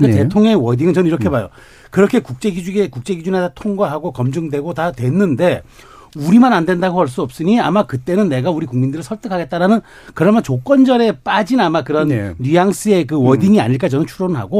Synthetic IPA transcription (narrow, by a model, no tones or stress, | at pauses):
kete̞tʰoŋɲʌŋiwʌdiŋɯnt͡ɕʌnɯniɾʌkʰe̞bajo̰ | kɯɾʌkʰe̞kuk̚t͡ɕ͈e̞ɡid͡ʑuɡekuk̚t͡ɕ͈e̞ɡid͡ʑunetatʰoŋɡwaɦaɡokʌmd͡ʑɯŋdwe̞ɡotatwe̞nːɯnde̞ | uɾimanandwendaɡoʌɭs̬͈uʌp̚s͈ɯɲiamakɯt͈e̞nɯnːe̞ɡauɾikuŋmindɯɾɯɭsʰʌɭt͈ɯkʰaɡet̚t͈aɾanɯn | kɯɾʌmjʌnt͡ɕok͈wʌnd͡ʑʌɾe̞p͈ad͡ʑinamakɯɾʌnːijaŋs͈ɯe̞kɯwʌdiŋia̰ɲiɭk͈at͡ɕʌnɯnt͡ɕʰuɾonɯɭɦa̰ɡo